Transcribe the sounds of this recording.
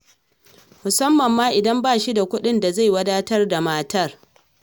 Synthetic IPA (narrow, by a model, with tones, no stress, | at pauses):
mʊ˨sɐ˦mːɐ˨mːaː˦ʔɪ˨dɐ˦mbaː˦˨ʃi˦da˨kʷʊ˦ɗɪ˦nda˨za˦˨jwɐ˦daː˦tɐ˦rda˨maː˦tɐ˦r